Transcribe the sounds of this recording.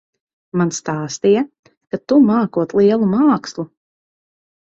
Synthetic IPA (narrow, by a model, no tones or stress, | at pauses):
manst̪aːst̪ija | kat̪umaːkuɔt̪lˠiɛlˠumaːkslˠu